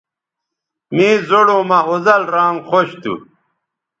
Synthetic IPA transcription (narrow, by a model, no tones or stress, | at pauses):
miːzoɽoːmɐozɐlɾaːŋχoɕt̪ṵ